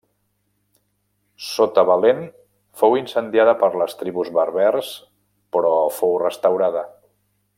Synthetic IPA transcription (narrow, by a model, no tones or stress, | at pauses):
sot̪əβəlen | fowinsənd̪jaðəpəɾləst̪ɾiβuzβəɾβɛrs | pɾɔfowrəst̪əwɾað̞ə